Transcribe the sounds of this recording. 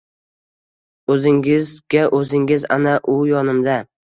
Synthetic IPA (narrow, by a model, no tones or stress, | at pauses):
ɵzɪŋʲɪzɡʲaʔɵzɪŋɪza̰naʔʊjɒnɪmd̪a